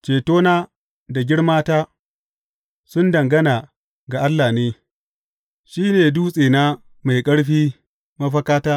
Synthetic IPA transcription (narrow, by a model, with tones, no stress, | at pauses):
t͡ʃeː˨toː˦naː˦ | da˨ɡʲɪ˦ɽmaː˦taː˦ | sʊ˦ndɐ˨ŋɡɐ˦naː˨ | ɡa˨ʔa˦lːaː˨neː˦ | ʃiː˦neː˨duː˦sʼeː˨na˦ | ma˨jkʼɐ˦ɽɸiː˦ | mɐ˦ɸɐ˦kaː˦taː˦